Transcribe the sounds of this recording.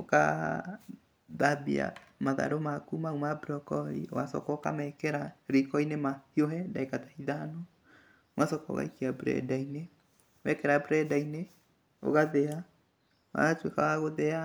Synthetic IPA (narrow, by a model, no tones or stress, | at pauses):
oka̰ | ðabḭa̰maða̰ɾomakumaumabɾɔkɔɾḭo̰wasɔ̰kɔka̰mɛkɛɾaɾikɔinemahioɦɛndaekatḁhiðaano | wasɔkɔ̰ɣa̰ikiabɾɛ̰daine | mɛkɛɾabɾɛdaine | o̰ɣaðɛa | a̰twekawaɣoðɛa